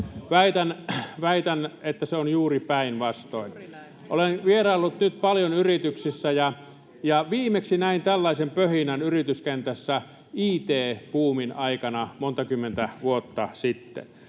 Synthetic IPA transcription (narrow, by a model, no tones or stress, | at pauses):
ʋæit̪ænʋæit̪ænet̪ːæseonjuːripæinʋɑst̪oin | ʔolenʋierɑilːut̪nyt̪̚pɑljonyrit̪yksisːæjɑ | jɑʋiːmˑeksinæint̪ælːɑisempøhinænyrit̪yskent̪æsːæ | iːt̪eːpuːminɑikɑnɑmont̪ɑkymːent̪æʋuot̪ːɑsit̪ːḛn